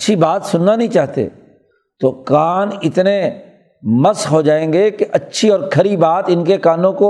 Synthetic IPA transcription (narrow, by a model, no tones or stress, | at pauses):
ʃʰibaːt̪sʊnːanɐɦĩt͡ʃaːɦt̪ḛː | t̪okaːnɪt̪ne | mɐsɦod͡ʒaːẽːŋɡekeʔɐtːʃʰiɔːɾkʰɐɾibaːt̪ɪnkekaːnõko